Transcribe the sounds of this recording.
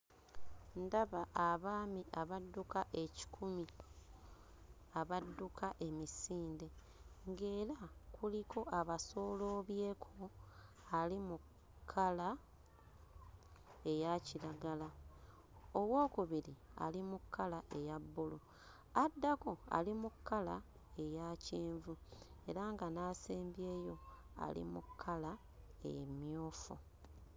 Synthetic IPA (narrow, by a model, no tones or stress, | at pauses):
ndaβaʔaβaːmiʔaβadːukaʔe̞ci̥kʰumi | aβadːukʰaʔe̞misiːnde̞ | ŋɡe̞ːɾakulikʰo̞ʔaβaso̞ːlo̞ːβje̞ːkʰo | alimu | kʰːala | e̞jaciɾaɡala | oβwo̞ːkuβiɾia̰limukːalaʔejabːulu | adːako̞a̰limukʰːala | e̞jaːciːɱvue̞̰ɾaːŋɡanaːseːmbjeːjo̞ | a̰lḭmṵkʰːala | e̞̰jḛmjo̞ːfṵ